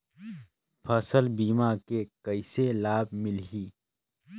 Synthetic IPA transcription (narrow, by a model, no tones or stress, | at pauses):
pʰəsəlbiːmakekəɪselaːb̚mɪlɦiː